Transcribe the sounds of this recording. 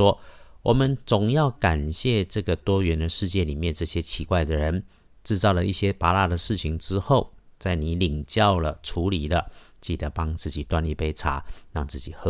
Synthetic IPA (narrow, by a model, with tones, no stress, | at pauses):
wɔ˥wɔ˨˩mə˦nt͡sʊ˨˩ŋjɑ˥˩ʊka˨˩nɕjɛ˥˧ʈ͡ʂɤ˥˩ɡə˩t̪wɔ˥ɥɛ˧˥nd̪ə˨ʂɻ̩˥˧t͡ɕjɛ˥˩ni˨˩mjɛ˥˧nʈ͡ʂɤ˥˩ɕjɛ˥t͡ɕʰi˧˥kwa˥˩ɪd̪ə˩ɻə˧˦n | ʈ͡ʂɻ̩˥˧t͡sɑ˥˩ʊlə˩ʔi˥˩ɕjɛ˥pa˧˥la˥˩d̪ə˩ʂɻ̩˥˩t͡ɕʰi˨˦ŋʈ͡ʂɻ̩˥xo˥˩ʊt͡sa˥˩ɪni˨˧˥li˨˩ŋt͡ɕjɑ˥˩ʊlə˩ʈ͡ʂʰu˧˥li˨˩lə˦t͡ɕi˨˩d̪ə˧˦pɑ˥ŋt͡sɹ̩˥˩t͡ɕi˨˩t̪wa˥nli˥˧pe˥ɪʈ͡ʂʰa̰˧˦ɻɑ˥˧ŋt͡sɹ̩˥˩t͡ɕi˨˩xɤ˧˦˥